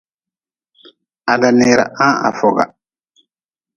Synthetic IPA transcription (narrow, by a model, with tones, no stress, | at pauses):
a˨da˨nɪ˨ɾa̰˨ʔã˦a̰˨fɔ˨ɡa̰˨